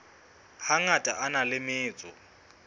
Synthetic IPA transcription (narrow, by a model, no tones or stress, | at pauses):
haŋatʼaʔanalɪmɪːt͡sʼɔ̰